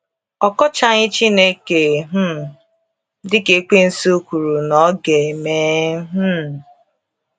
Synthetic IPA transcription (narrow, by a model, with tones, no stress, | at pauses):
ɔ˨kɔ˦t͡ʃa˦˨ɲɪ˦t͡ʃi˦ne˦ke˨ɦ̩˦˨ | dɪ˦ke˨k͡pe˦n̩˦so˦kʷu˨ɾu˨nɔ˦ɡe˨me˦ɦ̩˦